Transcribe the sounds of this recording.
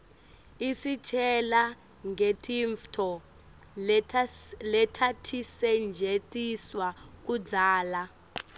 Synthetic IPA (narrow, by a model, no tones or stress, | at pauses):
isit͡ʃʼɛla | ŋʱetʼiɱftʰɔ | lɛtʰatʰisɛnd͡ʒʱetʼiswak̬ud͡zaːla